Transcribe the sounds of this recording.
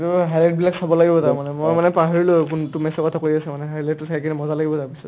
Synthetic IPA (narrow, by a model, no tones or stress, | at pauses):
tʊɦajlɛt̚bilaksabɔlaɡibɔtaɹmanɛmojmanɛpaɦɔɹilojkuntumɛsɔkɔtʰakoɹiasɛmanɛɦajlɛt̚tːusajkinɛmɔzalaɡibɔtaɹpisɔt